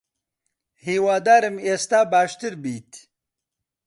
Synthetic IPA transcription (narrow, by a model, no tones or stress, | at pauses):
hiːwaːd̪aːɾɨmeːst̪aːbaːʃt̪ɨɾbiːt̪